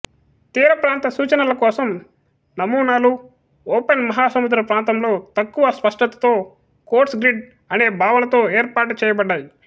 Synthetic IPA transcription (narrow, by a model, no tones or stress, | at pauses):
t̪iːɾɐpɾaːnt̪ɐsuːt͡ʃɐnɐlɐkɔːsɐm | nɐmuːnaːlu | ɔːpenmɐɦaːsɐmud̪ɾɐpɾaːnt̪ɐmlo̞ːt̪ɐkːuʋɐspɐʂʈɐt̪ɐ̥t̪o̞ː | koːʈsɡɾiɖ | ɐne̞ːbʱaːʋɐnɐt̪o̞ːeːɾpaːʈt͡ʃɛːjɐbɐɖːaːji